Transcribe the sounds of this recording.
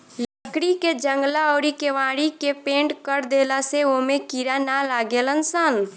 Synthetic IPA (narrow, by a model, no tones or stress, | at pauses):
ləkɽiked͡ʒə̃ŋɡlaɔːɾikeʋaːɽikepẽːɳʈkəɾd̪eːlaseomẽkiɾanalaːɡeːlənsən